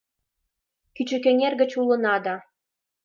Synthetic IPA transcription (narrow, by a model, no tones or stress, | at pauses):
kyt͡ɕɘ̆kɘ̆nʲerɡɘ̆t͡ɕulˠɤ̆nɑd̪ɑ